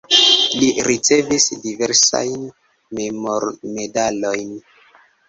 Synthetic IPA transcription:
liɾit͡se̞visdiveɾsa̰jn | memoɾme̞dalo̞jn

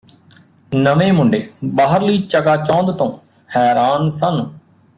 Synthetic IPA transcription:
nəmeːmʊɳɖeːbaːɦəɾləiːt͡ʃəkaːt͡ʃɔ̃ːnd̪t̪õː | hɛːɾaːnsən

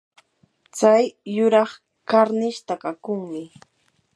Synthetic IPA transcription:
t͡sajːʊɾɑχ | kaɾnɪʃt̪akakʊŋmɪ

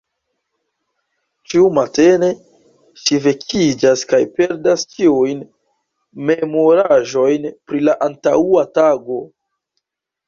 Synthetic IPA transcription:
t͡ʃiumate̞ne̞ | ʃive̞kʰid͡ʒaskajpe̞ɾdast͡ʃiujn | me̞mo̞ɾaʒo̞jnpɾilaʔantauataɡo̞

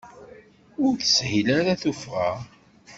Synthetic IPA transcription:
ʊɾθə̥shilaɾaθufʁa̰

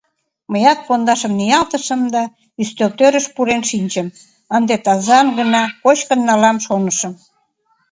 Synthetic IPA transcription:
məjɑt̪̚pond̪ɑʃəmnijɑlt̪əʃə̆md̪ɑ | yst̪ølt̪øɾəʃpuɾenʃinʲt͡ɕəm | ənd̪et̪ɑzɑmɡənɑkot͡ɕkənːɑlɑmʃonəʃə̆m

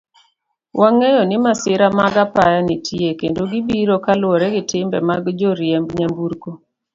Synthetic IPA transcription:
wʔaŋɛjɔnɪmasɪɾamaɡapajanitʰiekendoɡibiɾokalwɔɾɛɡɪtɪmbɛ̰maɡd͡ʒoɾjɛmbɲambuɾko

